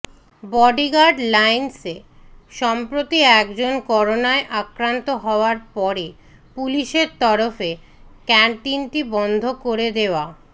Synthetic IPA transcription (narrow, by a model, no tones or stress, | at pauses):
bɔɖiɡaɖlajnseʃɔmpɾot̪iɛkd͡ʑonkɔɾonaeʔakɾant̪oɦɔoaɾpɔɾe | puliʃeɾt̪ɔɾofe | kɛɳʈinʈibɔnd̪ʱokoɾed̪eoa